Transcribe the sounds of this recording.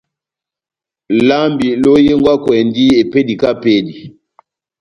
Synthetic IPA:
la˦mbi˨lo˦je˦ŋɡwa˦kwɛ˨ndi˦e˨pe˦di˨ka˦pe˦di˨

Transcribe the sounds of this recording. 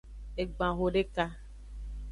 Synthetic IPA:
e˨ɡ͡bã˨ɣo˨ɖe˦ka˦

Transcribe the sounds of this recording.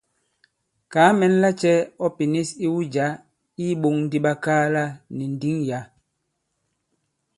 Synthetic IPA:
kaː˨˦mɛ˨˦n̩˦la˦t͡ʃɛ˦ɔ˦pi˨ni˦si˦wu˦d͡ʒa˨˦ | i˦ɓo˦˨ŋn˦di˦ɓa˦kaː˦la˦˨ni˨n̩˨di˦ŋja˨˦

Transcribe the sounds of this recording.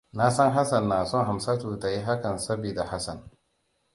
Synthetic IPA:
na˦sɐ˦ŋɦa˦sɐ˨nːaː˨sɔ˦ŋɦa˨msa˦tuː˨ta˨ji˦ɦa˦kɐ˨nsɐ˦biː˨da˨ha˦sɐ˨n

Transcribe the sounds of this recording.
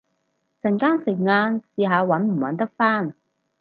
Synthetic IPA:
t͡sɐ˨˩nkaː˥nsɪ˨k̚ŋaː˧nsiː˨˧ɦaː˨˧wɐ˨˥nm̩˨˩wɐ̰˨˥nt̪ɐ˥k̚faː˥n

